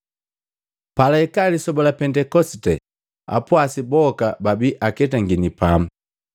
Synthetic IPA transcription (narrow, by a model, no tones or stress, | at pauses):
palaɛkalisɔbɔlapɛndɛkɔsitɛ | a̰pwasibɔkababiʔakɛtaŋɡinipamu